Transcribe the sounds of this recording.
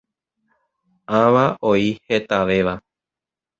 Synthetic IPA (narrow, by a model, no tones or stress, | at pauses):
ãʋaʔoihe̞t̪aʋe̞ʋa